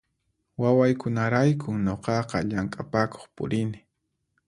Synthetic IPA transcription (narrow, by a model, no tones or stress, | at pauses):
wawajkʊnaɾajkʰʊɲoqɑqɑ̰ʎaŋkʼapako̥χpʊ̰ɾɪnɪ